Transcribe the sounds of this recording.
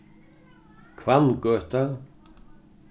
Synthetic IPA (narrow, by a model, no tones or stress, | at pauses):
kʰvankœht̪a